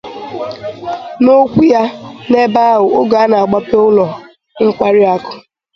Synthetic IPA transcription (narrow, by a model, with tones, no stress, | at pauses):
no˦kʷu˦ja˦ne˦ba˦ɦʊ˨ʊ˦ɡa˨a˦na˨a˨ɡ͡ba˦pe˦ʊ˦lɔ˨ | ŋ̩˦kʷa˦ɾɪ˦a˦kʊ̥˦